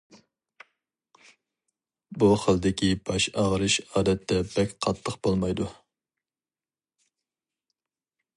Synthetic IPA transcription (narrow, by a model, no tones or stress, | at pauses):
buχəlˠd̪ɪkʲibɑʃɑʁəɾɨʃɑːd̪ɛt̪ʰːɛbɛkʲqʰɑt̪ʰːəqb̥olˠmɑjd̪u